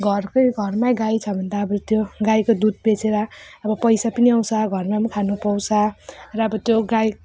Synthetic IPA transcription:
ɡʱʌrkojɡʱʌrmaɡajt͡sʰʌbʱʌnd̪aːbʌt̪joɡajkod̪ud̪̚bet͡sʰeɾʌʌbʌpʌjsapʌniaw̃sʰʌɡʱʌrmamakʰanupʌwsʰarʌʌbʌt̪joɡaj

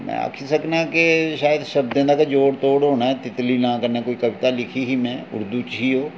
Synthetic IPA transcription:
mɛ̰̃a̰kʰisɐknakeʃaːjəd̪ʃɐb̚d̪ẽnd̪akad͡ʒoːɽt̪oːɽɦoːnaɦɛt̪ɪt̪linãkəɾnekoːikɐʋɪt̪alɪkʰiɦimɛ̃ːʊ̰ɾd̪ut͡ʃɦiɦoː

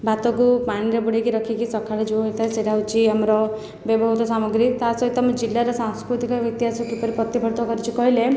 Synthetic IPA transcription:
bat̪ɔkupaɽ̃iɾebuɽikiɾɔkʰikisɔkʰaɭed͡ʒuɦet̪ʰajseʈawt͡ʃʰiamɾɔ | bebʱɔɦut̪ɔsamɔɡɾit̪asɔit̪amd͡ʒilːaɾɔsaŋskɾut̪ikɔɔk̚t̪iɦasɔkipɔɾipɔt̪ibʱɔɾd̪ʱɔkɔɾit͡ʃʰikɔɦile

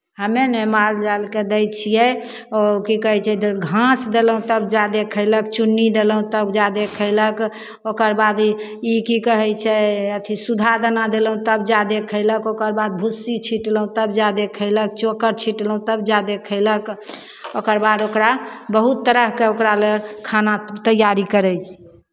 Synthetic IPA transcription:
ɦəmenemaɾd͡ʒalked̪ɛjt͡ʃʰijɛ | okikəɦɛt͡ʃʰɛd̪ɡʱãsd̪eləɦũt̪əbd͡ʒad̪ekʰəɪləkt͡ʃunːid̪eləɦũt̪əbd͡ʒad̪ekʰəɪlək | okəɾbad̪ | ikikəɦɛt͡ʃʰɛət̪ʰisud̪ʱad̪ənad̪eləɦũt̪əbd͡ʒad̪ekʰːəɪləkokəɾbad̪̚bʱusːit͡ʃʰiʈləɦũt̪əbd͡ʒad̪ekʰəɪlək̚t͡ʃokəɾt͡ʃʰiʈləɦũt̪əbd͡ʒad̪ekʰəɪlək | okəɾbad̪okɾabəɦut̪ːəɾəɦkeokɾalekʰanat̪əjaɾikəɾɛjt͡ʃʰ

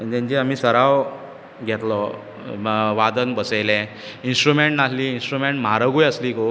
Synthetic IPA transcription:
d͡ʑẽɲt͡ɕiam̤iːsəɾaʋ | ɡʱɛt̪lɔ | ʋad̪ənbəselɛ̃ | insʈɾumeɳʈnalliːinsʈɾumeɳʈmaɾəɡujəsliːko

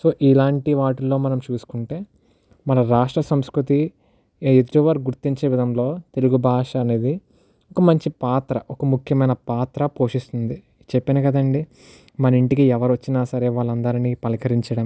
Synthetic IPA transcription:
so̞ːʔilaːɳʈiʋaːʈulːo̞ːmɐnɐmt͡ʃuːsu̥kuɳʈe̞ː | mɐnɐɾaːʂʈɾɐsɐmskɾut̪i | ed̪ɾuʋɐɾɡuɾt̪iɲt͡ʃeːʋid̪ʱɐmlo̞ːt̪e̞luɡubʱaːʂɐːne̞ːd̪i | ɔkɐmɐɲt͡ʃipaːt̪ɾɐʔɔkɐmukʰjɐmɐjnɐpaːt̪ɾɐpo̞ːʂist̪und̪i | t͡ʃepːinɐkɐd̪ɐɳɖi | mɐnɐiɳʈikiɛʋɐɾʋɐt͡ʃːinaːsɐɾe̞ːʋaːɭːɐnd̪ɐɾinipɐlikʰɐɾiɲt͡ʃɐɽɐm

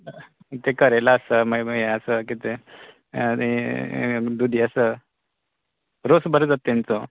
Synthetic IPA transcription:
t̪ekəɾajlaːsəməəeəsəkit̪e | i | d̪ud̪ʱiəsə | ɾosbʱəɾd͡zat̪ːent͡so

